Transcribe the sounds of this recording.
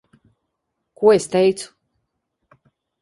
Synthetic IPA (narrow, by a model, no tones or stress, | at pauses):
kuɔest̪ejt̪sʰu̥